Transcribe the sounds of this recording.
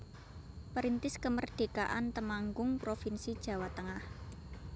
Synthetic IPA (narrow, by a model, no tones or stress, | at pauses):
pəɾint̪ɪskəmərɖ̪̥e̤ka̰ʔant̪əmaŋɡʊŋpɾofinsid̥ʒ̥ä̤wat̪əŋah